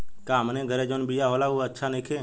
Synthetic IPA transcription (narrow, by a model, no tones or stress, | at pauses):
kaːmnẽɡʱəɾed͡ʒonbijaɦoːlauətːʃʰanekʰeː